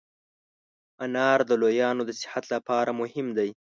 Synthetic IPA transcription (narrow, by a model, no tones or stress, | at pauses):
anɑɾd̪əlojɑnod̪əsɪ̥hat̪lapɑɾamʊhɪmd̪aj